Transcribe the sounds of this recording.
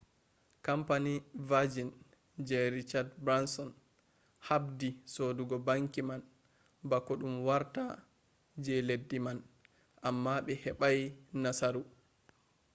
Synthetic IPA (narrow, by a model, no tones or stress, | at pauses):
kampanivad͡ʒin | d͡ʒɛɾit͡ʃadbɾansɔn | habdisoduɡɔbaŋkiman | bakːɔɗumwaɾta | d͡ʒɛledːiman | ʔamːaɓɛhɛɓajnasaɾu